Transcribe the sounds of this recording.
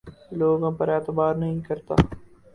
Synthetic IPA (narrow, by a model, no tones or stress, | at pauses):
loːɡõpəɾɛːt̪əbaːɾnəɦĩkɐɾt̪a̰ː